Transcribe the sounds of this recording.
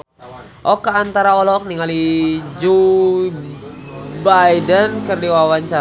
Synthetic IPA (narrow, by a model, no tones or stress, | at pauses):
ʔɔkaant̪aɾaɔlɔk̚niŋalid͡ʒo | bajdənkərdiwawaɲt͡ʃa